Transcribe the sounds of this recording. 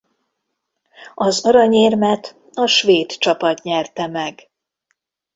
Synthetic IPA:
ɒzɒɾɒɲeːrmɛt̪ | ɒʃʋeːt̪t͡ʃɒpɒt̪ɲɛrt̪ɛmɛɡ

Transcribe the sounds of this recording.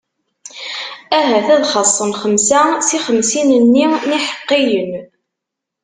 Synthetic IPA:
æɦæθæðχɑsˤːənχəmsæsiχəmsinənːiniħə̥qːijən

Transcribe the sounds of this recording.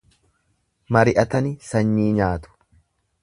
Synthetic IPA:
mɐɾɪʔɐt̪ɐnɪsɐɲːiːɲaːt̪ʊ̥

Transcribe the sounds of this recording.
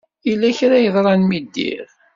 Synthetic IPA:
ilːæçɾæjəðˤɾˤɑnmid̪ːḭʁ

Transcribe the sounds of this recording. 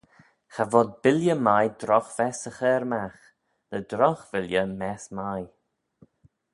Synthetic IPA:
xavɔd̪̚bɪljəmajd̪ɾɔxvɛsəxɛːɾmax | nəd̪ɾɔxvɪljəmɛsmaj

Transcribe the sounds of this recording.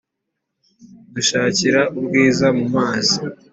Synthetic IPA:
duʃaːciɾaʔubɡiːzamumaːzi

